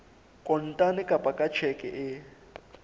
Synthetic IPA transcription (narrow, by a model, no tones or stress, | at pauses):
kʼɔn̩tʼanɛkʼapʼakʼḁt͡ʃʰɛkʼɛ̰ʔɪ